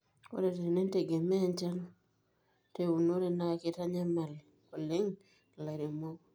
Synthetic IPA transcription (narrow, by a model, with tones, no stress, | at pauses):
o̰˦ɾe˨te˨ɾi˨ne˦n˦te˨ɡe˨mɛ˦˨nt͡ʃa˦no˦ | te˦u˨no˦ɾe˨na˦˨ke˦ta˦ɲa˦ma˨l | ko˨le˦ŋ˨ | la˨ɾe˨mo˦k